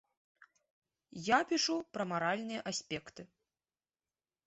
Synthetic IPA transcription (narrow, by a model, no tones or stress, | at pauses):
japʲiʂupɾɐmaɾalʲnɨjɐʔasʲpʲɛkt̪ɨ